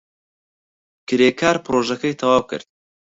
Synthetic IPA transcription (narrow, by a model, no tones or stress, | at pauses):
kʰʲɪɾekʰaːɾpʰɾoʒekəjt̪ʰɑwɑːwkʲʰɪ̰ɾd̪̥̚